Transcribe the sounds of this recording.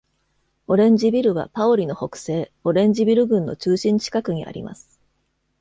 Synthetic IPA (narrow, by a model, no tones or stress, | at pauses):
o̞ɾẽ̞ɲ̟d͡ʑibʲiɾɯ̟βa̰paoɾʲino̞ho̞kɯ̟̥se̞ːo̞ɾẽ̞ɲ̟d͡ʑibʲiɾɯ̟ɡɯ̟̃nːo̞̰t͡ɕɨːɕĩɲ̟t͡ɕi̥kakɯ̟ɲ̟iʔa̰ɾʲḭma̰sɨ̥